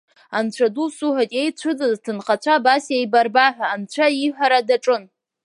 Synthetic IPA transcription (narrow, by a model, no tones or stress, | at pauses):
ant͡ɕʷʰadusuħatʼejt͡ɕʷʰɨd͡zɨztʰɨnχat͡ɕʷʰabasejbarbaħʷᶣaːnt͡ɕʷʰaiħʷaɾadaʈ͡ʂʼɨn